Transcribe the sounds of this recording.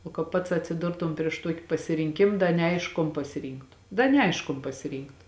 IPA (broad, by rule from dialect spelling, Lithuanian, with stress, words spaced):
oː kɐ ˈpɐts ɐtʲsʲɪˈdʊrtʊm pʲrʲiɛʃ ˈtuɔkʲɪ pɐsʲɪrʲɪŋʲˈkʲɪm ˈdɐ nʲɛˈɐɪʃkʊ koːn pɐsʲɪˈrʲiːŋktʊ ˈdɐ nʲɛˈɐɪʃk koːn pɐsʲɪˈrʲiːŋktʊ